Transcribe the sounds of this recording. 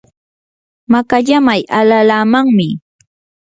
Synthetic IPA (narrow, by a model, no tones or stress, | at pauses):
makaʎamajalalaːmaŋmɪ